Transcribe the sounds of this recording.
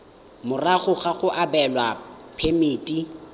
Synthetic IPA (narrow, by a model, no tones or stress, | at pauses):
mʊraɣʊɣaɣʊʔabɛlwapʰemeːtʼi